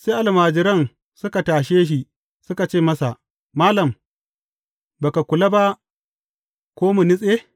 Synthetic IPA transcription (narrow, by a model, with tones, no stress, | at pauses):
se˦ʔa˨lmaː˨d͡ʒɪ˦ɾɐ˦n | sʊ˦ka˨taː˨ʃeː˦ʃ̬i˨ | sʊ˦ka˨t͡ʃeː˦˨mɐ˦sa˨ʔ | maː˦lɐ˨m | ba˨ka˨kʷʊ˨la˦ba˦ʔ | kʷoː˦mu˨nɪ˦sʼeː˦